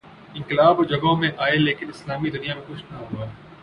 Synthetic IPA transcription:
ɪ̃ŋkɪlaːbod͡ʒɐɡõmẽʔaːeleːkɪnɪslaːmid̪ʊnijamẽkʊt͡ʃʰnaɦuaɛ

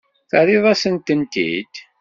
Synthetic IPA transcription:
θəɾiðˤæsənt̪ənt̪ḭd̪

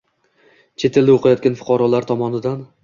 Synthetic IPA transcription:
t͡ʃʰe̞t̪eld̪ɪoqʰajɒt̪̚kʲanfʊ̥qʰɒɾɒlaɾt̪ʰɒmɒnɪd̪an

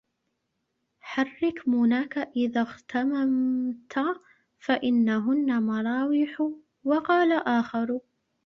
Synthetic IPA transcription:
ħɑrˤːɪkmʊnaːkaʔɪðaːɣt̪ʰamamt̪ʰa | faʔɪnːaɦʊnːamɑɾˤɑːwɪħʊ | wɑqɑːlaʔaːxɑɾˤ

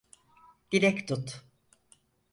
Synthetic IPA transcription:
d̪̥iɾɛct̪ʰut̪

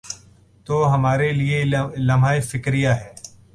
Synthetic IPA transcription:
t̪oːɦɐmaːɾelielɐmaːifɪkɾijaɦɛː

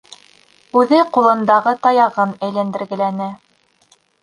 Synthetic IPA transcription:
ʉðɘqulˠɤ̆nd̪ɑʁɤt̪ɑjɑʁɤnæjlænd̪ɘ̆ɾɡɘ̆lænɘ

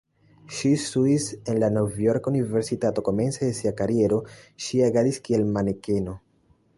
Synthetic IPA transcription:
ʃisuise̞nlano̞vjo̞ɾkunive̞ɾsitato̞ko̞me̞nt͡se̞desiakaɾie̞ɾo̞ʃiaɡadiskie̞lmaneke̞no̞

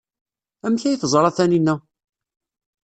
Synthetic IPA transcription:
æmçæjiθzˤɾˤɑθæninːæ

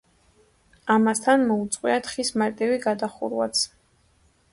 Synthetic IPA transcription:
amast̪ʰanmɔut̪sʼqʼwiat̪ʰχismaɾt̪ʼiviɡad̪aχṵɾwa̰t̪sʰ

